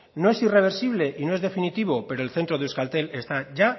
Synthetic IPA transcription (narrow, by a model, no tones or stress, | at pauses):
no̞e̞sire̞β̞e̞ɾsiβ̞le̞ʔinoe̞zðe̞finit̪iβ̞o̞pe̞ɾoe̞lθe̞nt̪ɾoðeuskalt̪e̞le̞st̪aʝa